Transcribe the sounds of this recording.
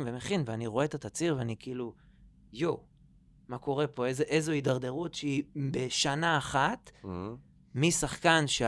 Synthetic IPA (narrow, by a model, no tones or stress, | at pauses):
vemeχinveaniʁoet̪at̪at͡siʁveanikiilu | ju | mako̞ʁe̞po̞ezeʔezoidaʁd̪e̞ʁut̪ʃeibeʃanaːχat | misaχkanʃe